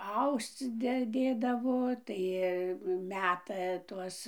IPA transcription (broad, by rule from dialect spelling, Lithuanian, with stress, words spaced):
ˈɐʊst͡s ˈdʲɛ ˈdʲeːdɐʋoː ˈtɐɪ ˈmʲæːtɐ ˈtuɔs